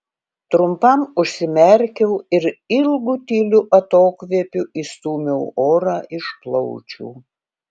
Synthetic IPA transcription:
t̪ɾʊmpɐmʊʃʲsʲɪmʲɛɾʲkʲɛʊɪɾɪlˠɡut̪ʲiːlʲʊʔɐt̪oːkʋʲiɛpʲʊist̪uːmʲɛʊoːɾɑːʔɪʃplˠɔʊt͡ʃʲṵː

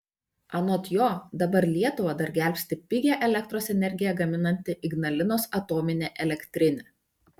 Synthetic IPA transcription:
ɐnoːt̪joːd̪ɐbɐɾlʲiɛt̪ʊʋɐd̪ɐɾɡʲæˑlʲpʲsʲt̪ʲɪpʲɪɡʲɛʔɛlʲɛk̚t̪ɾoːsɛnʲɛɾʲɡʲɪjɛɡɐmʲɪnɐnʲt̪ʲɪʔɪɡnɐlʲɪnoːsɐt̪oːmʲɪnʲeːʔɛlʲɛkʲt̪ʲɾʲɪnʲe

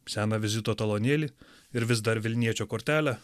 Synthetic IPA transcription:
sʲæːnɐʋʲɪzʲɪt̪oːt̪ɐlˠonʲeːlʲi | ɪɾʋʲɪs̬d̪ɐɾʋʲɪlʲnʲiɛt͡ʃʲoːkoːɾʲt̪ʲæːlʲɛ

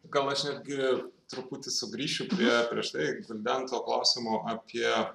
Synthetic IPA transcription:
ɡɐlˠɐʃnʲɛd̪ʲɡʲɪt̪ɾʊpʊt̪ʲɪsʊɡɾʲiːʃʲʊpʲɾʲiɛpʲɾʲiɛʃt̪ɐɪɡɐlʲd̪ʲænt̪oːklˠɐʊsʲɪmoʔɑpʲiɛ

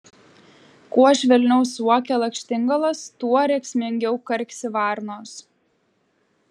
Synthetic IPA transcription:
kuɔʒʲʋʲɛlʲnʲɛʊsuɔkʲɛːlˠɐkʃʲt̪ʲɪŋɡɐlˠɐst̪uɔɾʲɛkʲsʲmʲɪŋʲɡʲɛʊkɐɾʲkʲsʲɪʋɑːɾnoːs

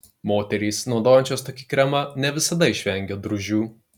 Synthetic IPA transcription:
moːt̪ʲɛɾʲiːsnɒʊd̪oːjɛnʲt͡ʃʲoːst̪oːkʲi̥kɾʲɛmɐnʲɛʋʲɪsɐd̪ɐɪʃʲʋʲɛŋʲɡʲoːd̪ɾʊʒʲuː

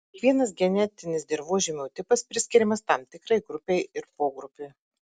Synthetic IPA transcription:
kʋʲiɛnɐs̬ɡʲɛnʲɛt̪ʲɪnʲɪsd̪ʲɪɾʋuːʒʲɪmʲuːt̪ʲɪpɐspʲɾʲɪsʲkʲɪɾʲɪmɐst̪ɐmt̪ʲɪkɾɐɪɡɾʊpʲɛɪɪɾpoːɡɾʊpʲeɪ

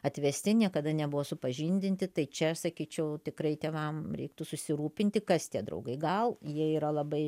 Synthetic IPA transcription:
ɐt̪ʲʋʲɛsʲt̪ʲɪnʲiɛkɐd̪ɐnʲɛbʊʋoːsʊpɐʒʲinʲd̪ʲɪnʲt̪ʲɪt̪ɐɪt͡ʃʲɛsɐkʲiːt͡ʃʲɛʊt̪ʲɪkrɐɪt̪ʲeːʋɐmɾʲɛɪk̚t̪ʊsʊsʲɪɾuːpʲɪnʲt̪ʲɪkɐst̪ʲiɛd̪ɾɐ̰ʊɡɐɪɡɐlˠjiɛiːɾɐlˠɐbɐɪ

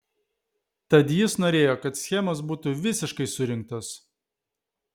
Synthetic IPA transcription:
t̪ɐd̪ʲjɪsnoːɾʲeːjoːkɐt̪sʲxʲɛmɐsbuːt̪uʋʲɪsʲɪʃkɐɪsʊɾʲɪŋk̚t̪ɐs

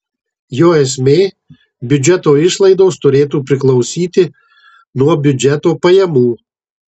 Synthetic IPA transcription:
joːɛsʲmʲeː | bʲʊd͡ʒʲɛt̪oːɪʃlˠɐɪd̪oːst̪ʊɾʲeːt̪uːpʲɾʲɪklˠɒʊsʲiːt̪ʲɪ | nuɔbʲʊd͡ʒʲɛt̪oːpɐjɛmuː

